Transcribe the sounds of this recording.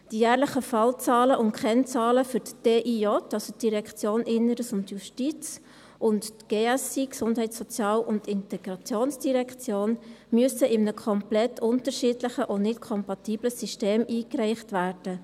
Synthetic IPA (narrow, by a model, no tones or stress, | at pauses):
d̥ijæːɾləχəfɑlt͡sɑːləʔʊntkχɛnt͡sɑːləfʏɾtd̥eːʔiɔtɑlsotd̥iɾɛkt͡sjoːnɪnːəɾəsʊndjuʃtit͡s | ʔʊntɡ̥eːɛsiksʊnd̥ɦɛɪtsɔt͡sjɑːlʔʊntɪntɛɡ̥ɾɑt͡sjoːnsd̥iɾɛkχt͡sjoːnmyəsəʔɪmnəkʰɔmplɛtʰːʊntəɾʃiːdləχəʔonɪtkʰɔmpɑtiːbləsiʃteːmʔiːkɾɛɪχtvæːɾd̥ə